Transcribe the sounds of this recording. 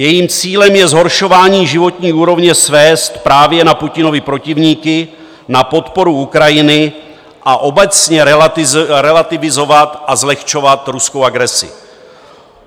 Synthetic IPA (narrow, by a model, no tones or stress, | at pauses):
jɛjiːmt͡siːlɛmjɛzɦo̞ɾʃo̞vaːɲiːʒɪvo̞t̪ɲiːuːɾo̞vɲɛsvɛːst̪pɾaːvjɛnapucɪno̞vɪpɾo̞cɪvɲiːkɪ | napo̞t̪po̞ɾuukɾajɪnɪ | ʔaʔo̞bɛt͡sɲɛ | ɾɛlat̪ɪvɪzo̞vat̪ʔazlɛxt͡ʃo̞vat̪ɾuskowaɡɾɛsɪ̰